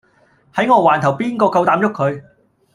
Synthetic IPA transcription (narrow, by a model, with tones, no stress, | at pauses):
hɐ˨˥jŋɔː˧waː˨˩nt̪ʰɐ˨˩wpiː˥nkɔː˧kɐ˧wt̪aː˨˧mjʊ˥kʰːɵ˨˧ɥ